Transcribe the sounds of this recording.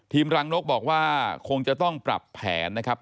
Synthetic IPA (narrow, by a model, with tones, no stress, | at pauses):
t̪ʰiː˧mɾaː˧ŋno˦˥k̚bɔː˨˩k̚waː˥˩kʰo˧ŋt͡ɕa˨˩t̪ɔ˥˩ŋpɾa̰˨˩pʰːɛ̰ː˩˦nːa˦˥kʰɾa˦˥p̚